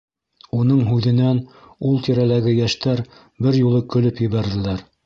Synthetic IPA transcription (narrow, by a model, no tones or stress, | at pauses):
unɤɴɦʉðɘ̆næn | ulˠt̪iɾælæɡɘjæʃt̪æɾ | bɘɾjulˠɤkɵ̆lɵpjɘ̆βæɾðɘ̆læɾ